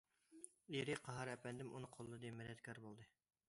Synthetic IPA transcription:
eɾɪqʰɑɦɑɾɛpɛnd̪ɪmunɨqʰolˠːɨd̪emɛlɛt̪kʲʰɑɾbolˠd̪ɨ

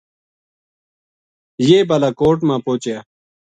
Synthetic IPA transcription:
jeːbalaːkoːʈmãːpoːt͡ɕaː

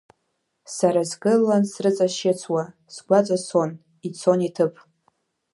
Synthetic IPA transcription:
saɾazɡɨlːansrɨt͡sʼaʃet͡sʷʰwa | sɡʷat͡sʼaso̞n | it͡sʰonitʰɨpʼ

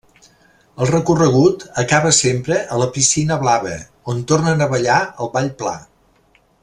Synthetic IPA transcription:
əlˠrəkurəɣ̞ut̪əkaβəsempɾəʔələpisinəβlaβə̰ | ont̪ornənəβəʎaəlˠβaʎpla̰

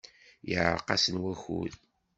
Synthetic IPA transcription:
jəʕɾqːɑsənwæxṵð

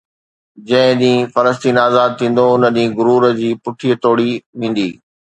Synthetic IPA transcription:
d͡ʑɐ̃ɦɪ̃ɗ̪ĩːfɐɾəs̬t̪iːnaːzaːd̪̚t̪ʰĩːn̆d̪oʊnə̆ɗĩːɡʊɾuːɾəd͡ʑiːpʊʈʰiːət̪oːɽiʋẽːn̆d̪iː

